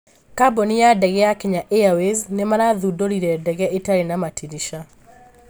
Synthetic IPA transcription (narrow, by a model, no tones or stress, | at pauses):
kabonijadɛɣɛakeɲaʔeaweznemaɾaðudoɾiɾɛdɛɣɛʔetaɾenamatʰiɾiʃa